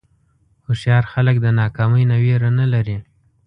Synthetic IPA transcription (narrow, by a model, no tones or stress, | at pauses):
xʊʃjɑɾxalək̚d̪ənɑkɑməjnaweɾanalaɾi